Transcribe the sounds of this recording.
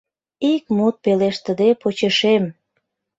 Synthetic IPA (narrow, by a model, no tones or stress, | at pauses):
ik̚mut̪̚peleʃt̪əd̪epot͡ɕəʃem